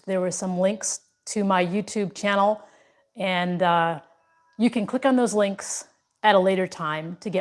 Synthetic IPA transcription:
ðə˞wə˞sʌ̃mlɪ̃ŋks | tʰɨmaɪjʉtʰʉb̚t͡ʃʰænl̩ˠ | ɨ̃n | jɨkɨ̃nkʰl̥ɪkn̩ðoʊzlɪ̃ŋks | ɨɾəleɪɾə˞tʰãɪ̃mtʰɨɡɛ

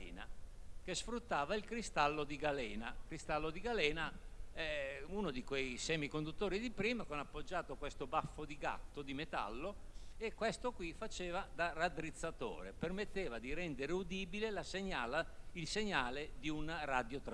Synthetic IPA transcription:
na̰k̟esfɾut̪ːaːvailkɾist̪alːod̪iɡalɛːnakɾist̪alːod̪iɡalɛːnaɛunod̪ikwɛjsɛːmikond̪ut̪ːoːɾid̪ipɾiːmakonapːod͡ʒːaːt̪okwest̪obafːod̪iɡa̰t̪ːod̪imet̪a̰lːoekːwest̪okwifat͡ʃeːvad̪arad̪ɾit̪sːat̪o̰ːɾḛpermet̪ːeːvad̪iɾɛnd̪eɾeud̪iːbilelaseɲːaːlailseɲːaːled̪iunrad̪jot̪ɾ

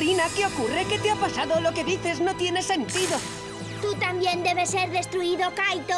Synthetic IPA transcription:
inakeo̞kure̞tke̞t̪eapasaðo̞lo̞ke̞ðiθe̞zno̞t̪je̞ne̞se̞nt̪iðo̞ | t̪ut̪ambje̞nd̪e̞βe̞se̞ɾðe̞st̪ɾuiðo̞kajt̪o

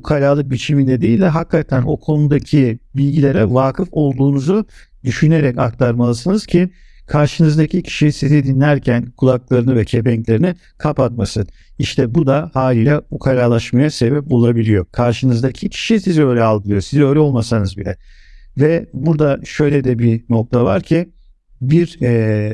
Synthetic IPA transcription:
bukʰalʲaːlˠɯk̚bit͡ʃʰimind̪ɛd̪iilʲd̪ʲɛɦakːat̪ʰæno̞̰kʰo̞nud̪acʰibilʲɟilʲeɾɛvaːkʰɯfo̞lˠd̪uːnuzu | d̪yʃyne̞ɾɛcak̚t̪ʰaɾmalˠɯsɯnɯz̥cʰi | kʰaɾʃɯnɯzd̪acʰicʰi̥ʃisizid̪inlːʲæɾcʰænkʰulˠaklˠaɾɯnɯvɛcʰe̞pɛɲclʲe̞ɾini | kʰapat̪̚masɯn | iʃt̪ʰɛbud̪ahaːlʲiːlʲɛbukʰaɾaɾlˠaʃmajase̞bɛp̚bulˠabilʲijo̞kʰaɾʃɯnɯzd̪acʰicʰi̥ʃisizø̞ːjlʲɛalˠd̪ɯlˠɯjosizø̞ːlʲɛo̞lˠmasanɯzbilʲɛ̰vɛbuɾd̪aʃø̞jlʲɛd̪ɛbino̞k̚t̪ʰava̰ɾcʰi | biɾɛ

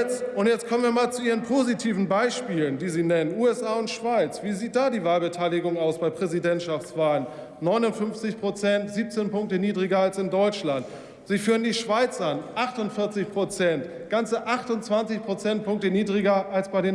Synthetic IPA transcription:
t͡sʊntjɛt͡stkʰɔmənviːɐmaːlt͡suiːʁənpʰozitʰiːvn̩baɪʃpiːləndiːziːnɛnənuːɛsʔaːʊntʃv̥aɪt͡sv̥iːziːt̚d̥aːdiːvaːlbətʰaɪlɪɡʊŋaʊsb̥aɪpʁ̥ɛzidɛntʃaft͡sv̥aːlən | nːɔʏnʊntfʏnft͡sɪçpʁ̥ot͡sɛntz̥iːp̚t͡seːnpʊŋk̚təniːdʁiɡɐalsɪndɔʏt͡ʃlant | z̥iːfyːʁəndiːʃv̥aɪt͡sʔanʔaχtʊntfɪɐt͡sɪçpʁ̥ot͡sɛnt | ɡ̥ant͡səʔaχtʊnt͡sv̥ant͡sɪçpʁ̥ot͡sɛnt̚pʰʊŋk̚təniːdʁiɡɐʔalsb̥aɪdeːn

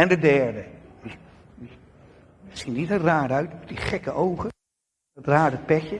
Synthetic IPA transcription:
ɛndədɛɹdəʋi | i | əz̥initəraːdœɥtmɛtdiχɛkəʔowχə | traːdəpɛkjə

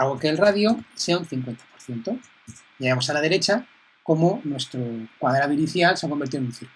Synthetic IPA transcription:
aɣokelraðjose̞aunθiŋkwe̞nt̪ḁpoɾθje̞nt̪o | jeɣamo̞salað̞e̞ɾe̞t͡ʃa | ko̞monwe̞st̪ɾokwaðɾaβiniθjalseako̞mbeɾt̪iðe̞nũnθiɾk

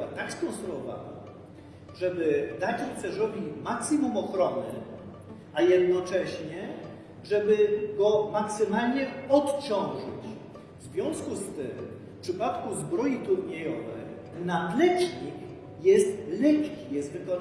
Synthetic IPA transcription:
at̪akskɔ̃nst̪ɾuɔva̰na̰ | ʐɛbɘd̪ad͡ʑisɛzɾɔbʲimaksimumɔxɾɔnɘ | ajɛd̪nɔt͡ʂɛɕɲɛ | ʐɛbɘɡɔmaksɘmalɲɛɔt̪t͡ɕɔ̃w̃ʐɨ̰t͡ɕ | vzvʲjɔ̃w̃skust̪ɘmfpʂɘpat̪kuzbɾɔjit̪uɾɲejɔvɛ̰j | nad̪lɛt͡ɕɲik | jɛst̪lɛpʲkʲijɛst̪vɘkɔna

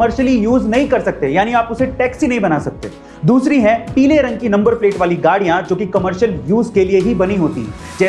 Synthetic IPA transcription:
məɾʃəlijuːznɐɦĩkɐɾsɐk̚t̪ejaːniaːpʊseʈɛːksinɐɦĩbɐnasɐk̚t̪ḛː | d̪uːsɾiɦɛ̃piːleɾɐ̃ŋɡkinɐ̃mbəɾpleːʈʋaːliɡaːɽijãd͡ʒoːkikɐməɾʃəljuːzkelieɦibɐniɦoːt̪ḭ | d͡ʒɛː

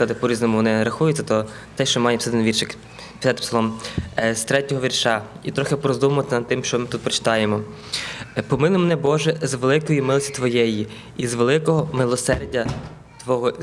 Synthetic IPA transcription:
ɐd̪ɪpɔɾʲiznɔmʊʋɔnɪɾɐxujʊtt͡sʲːɐt̪ɔ | t̪ɛʃt͡ʃɔmɑjɛpsɛd̪ɪnʋʲirʃɪk | pʲi̥sɑt̪ɪpsɐlˠɔmst̪ɾɛtʲɔɦɔʋʲirʃɑit̪ɾɔxepɾɔzd̪umɐmɔt̪t͡sʲːɐnɐd̪̚t̪ɪmʃt͡ʃɔmɪt̪ut̪̚pɾɔt͡ʃɪ̥t̪ɑjemɔ | pɔmɪlˠʊmɛnɛbɔʒɛzʋelˠɪkɔjimɪlˠsʲi̥t̪ʋɔjɛji | izʋelˠɪkɔɦɔmɪlˠɔsɛrdʲɐ | t̪ʋɔɦɔ

